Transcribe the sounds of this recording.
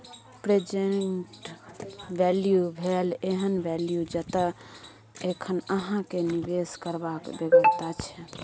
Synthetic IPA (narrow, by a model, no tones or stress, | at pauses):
pɾed͡ʒeɳʈ | ʋɛljubʱeleɦənbɛljud͡ʒət̪ə | ekʰənəɦãkenibeskəɾbakbeɡəst̪at͡ʃʰɛ